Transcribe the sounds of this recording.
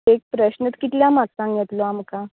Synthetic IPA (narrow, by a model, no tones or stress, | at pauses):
ek̚pɾəɕnət̪kit̪ljamaksãŋɡjet̪loamka